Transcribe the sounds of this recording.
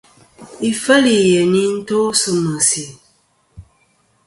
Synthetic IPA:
i˨fə˦li˨jɛ˨ni˦n̩˦to˦sɨ˨mə˨si˨

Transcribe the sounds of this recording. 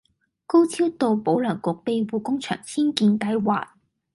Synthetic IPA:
ko˥wt͡sʰiː˥wt̪o˨˧wpo˨˥wlœː˨˩ŋkʊ˨k̚pe˨jwuː˨˧kʊ˥ŋt͡ʃʰœ̰ː˨˩ŋsʰiː˥nkiː˧nkɐ˧jwaː˨˩t̚

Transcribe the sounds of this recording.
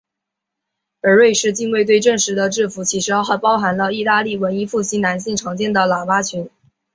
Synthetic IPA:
ə˞˧˥we˥˧ɪʂɻ̩˥˧t͡ɕi˥˧nwe˥˧ɪt̪we˥˧ɪʈ͡ʂə˥˩ŋʂɻ̩˧˥d̪ə˧ʈ͡ʂɻ̩˥˩fu˧˥t͡ɕʰi˧˥ʂɻ̩˧˥jɑ˥ʊxa˥˩pɑ˥ʊxa˧˥nlə˧i˥˧t̪a˥˧li˥˩wə˧˥ni˥fu˥˩ɕi˥na˧˥nɕi˥˩ŋʈ͡ʂʰɑ˧˥ŋt͡ɕjɛ˥˩nd̪ə˩la˨˩ma˥t͡ɕʰy˧˥n

